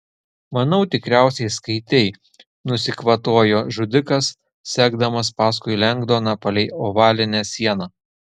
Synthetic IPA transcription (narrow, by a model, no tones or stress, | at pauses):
mɐnɐʊt̪ʲɪkɾʲæˑʊsʲɛɪskɐɪt̪ʲɛɪ | nʊsʲɪkʋɐt̪oɔjoːʒʊd̪ʲɪkɐs | sʲæːɡd̪ɐmɐspɑːskʊɪlʲɛŋɡd̪oːnɑpɐlʲɛɪoʋɑːlʲɪnʲæsʲiɛnɑː